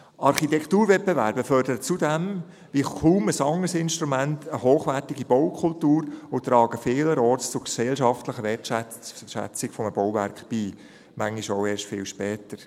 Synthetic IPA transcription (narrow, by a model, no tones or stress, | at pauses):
ɑɾχitɛktuːɾvɛt̚bevæɾbəfœɾdəɾət͡sudɛm | ʋikʰuməsɑŋəɾsɪnʃtɾumæntʰəɦoːχʋæɾtiɡib̥ɔwkʰʊltuːɾʊt̪ɾɑːɡəfɪːləɾɔːɾtst͡sʊɡsɛlʃɑftləχəʋɛtæ | ʃæ̰t͡sɪɡ̥fɔməb̥ɔwvæɾkχb̥iː | mæŋiʃoʊeːɾʃtfɪːlʃpɛːtəɾ